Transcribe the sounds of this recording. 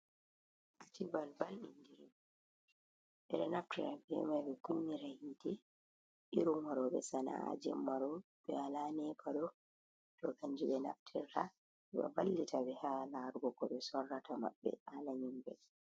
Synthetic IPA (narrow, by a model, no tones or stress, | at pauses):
ʔatibalbalɗindiɾim | ɓɛɗɛnaftiɾafɛ̰majɓɛkunːiɾahidɛ | ʔiɾumwaɾɔɓɛsana̰a̰d͡ʒɛ̰mːaɾɔ | ɓɛalanɛpʰaɗɔ | tɔkaɲd͡ʒiɓɛna̰ftʰiɾa | iɓa̰balːitaɓɛhalaɾɡɔkɔɓɛsɔrːatama̰ɓːɛ̰alaɲimbɛ̰